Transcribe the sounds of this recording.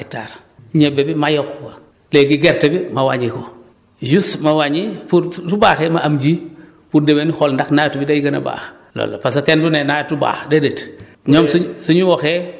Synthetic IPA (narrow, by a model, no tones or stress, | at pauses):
ek̚ta̰ɾ | ɲebebimajokwa | leːɡiɡeɾtebimawaɲiko | d͡ʒusmɐwaɲipuɾtubaːxemaʔamd͡ʒi | puɾdemenixɔlndaxnaːjtubidajiɡɐnɐ̰ba̰ːx | lo̰lːo̰pasokendunenajtuba̰ːxdedet | ɲomsusuɲuwɔxe